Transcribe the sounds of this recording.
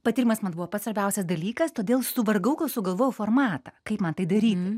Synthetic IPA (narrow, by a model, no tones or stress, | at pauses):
pɐt̪ʲiɾʲɪmɐsmɐnbuʋoːpɐt̪sʋɐɾʲbʲɛʊsʲɛsd̪ɐlʲiːkɐst̪oːd̪ʲeːlˠsʊʋɐrɡɐʊkɐʊsʊɡɐlˠʋoːjɛʊfoːrmɑːt̪ɐkɐɪpmɐnt̪ɐɪd̪ɐɾʲiːt̪ʲ